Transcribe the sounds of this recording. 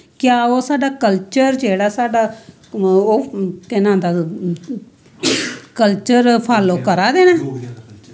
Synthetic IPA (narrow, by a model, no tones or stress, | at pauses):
kjaːoːsaːɖaːkəlt͡ʃəɾd͡ʒeːɽaːsaːɖaː | oːk̪ɪnãːd̪aː | kəlt͡ʃəɾpʰaːloːkəɾaːd̪eːnɛː